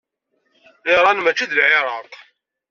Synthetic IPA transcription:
ɪɾˤɑnmæt͡ʃːiðəlʕeɾˤɑq

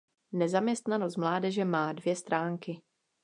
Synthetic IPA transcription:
nɛzamɲɛst̪nanost̪mlaːdɛʒɛmaːdvjɛst̪ɾaːŋkɪ

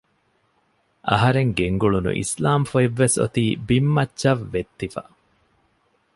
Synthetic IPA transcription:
ʔɐɦɐɾeŋɡeŋɡuɭunṵʔḭslaːmfueʋːeso̰t̪iːbimːɐtːʃɐʋːet̪ːifɐ̰

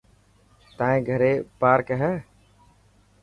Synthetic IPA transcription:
t̪aːẽːɡʱəɾeːpaːɾkɦɛː

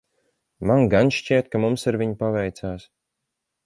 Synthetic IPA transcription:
manɡanʃt͡ʃiɛt̪̚kamumsiɾviɲpavɛjt̪saːs

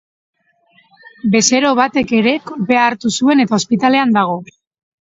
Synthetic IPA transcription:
be̞se̞ɾo̞β̞at̪e̞ke̞ɾe̞kbe̞aːɾt̪usue̞ne̞t̪ao̞spit̪ale̞and̪aɣ̞o̞

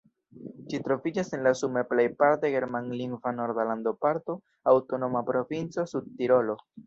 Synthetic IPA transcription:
d͡ʒitɾo̞vid͡ʒase̞nlasumeplejpaɾteɡe̞ɾmanliŋvanoɾdaland̪o̞paɾto̞ | awto̞no̞mapɾo̞vint͡so̞sud̪̚tiɾo̞lo̞

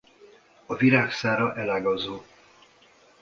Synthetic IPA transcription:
ɒviɾaːksaːɾɒʔɛlaːɡɒzoː

